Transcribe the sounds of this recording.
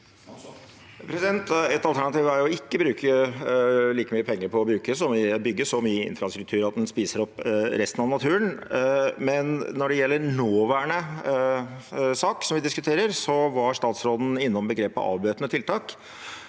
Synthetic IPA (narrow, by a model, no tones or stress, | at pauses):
pʰɾɛsɪd̪ɛnt̪ɛt̪ɑlt̪æɳɑt̪ʰiːʋæɾjʊɔɪkːəbɾʉːkʰə | liːkəmyːəpʰɛŋːəɾpʰɔːbɾʉːkəsɔmʋɪbʏɡːəʂɔmyːəɪ̰nfɾɑst̪ɾʉk̚t̪ʰʉːɾɑt̪̚d̪ɛnspiːsəɾɔpːɾɛst̪ənɑʋnɑt̪ʰʉːɾən | mɛnnɔɖɛjɛlːəɾnoːʋæːɳə | sɑːksɔmʋɪd̪ɪskʉt̪ʰeːɾəɾsɔʋɑʂt̪ɑːt̪sɾoːd̪n̩ɪnːɔmbəɡɾeːpɑ̰ɑ̰ːʋbøːt̪nət̪ʰɪlt̪ʰɑːk